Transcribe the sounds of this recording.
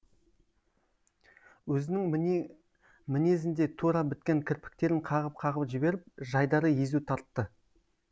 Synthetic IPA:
wɵzɪnɪŋ | mɪne̞zɪnd̪e̞t̪ʰuɾɑbɪt̪̚kʲe̞ŋkʲʰɪɾpɪ̥k̚t̪e̞ɾɪŋqʰɑʁəp̚qʰɑʁəpʒɪbe̞ɾɪp̚ʒɑjd̪ɑɾəje̞zut̪ʰɑɾt̪ːə

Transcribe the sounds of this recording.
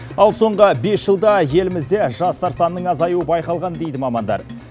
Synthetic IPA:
ɑlˠso̞ɴʁəbe̞sʒ̥əlˠd̪ɑje̞lɪmɪzd̪e̞ʒɑst̪ɑɾsɑnːəɴɑzɑjuəbɑjqɑlˠʁɑnd̪e̞jd̪ɪmɑmɑnd̪ɑ̰ɾ

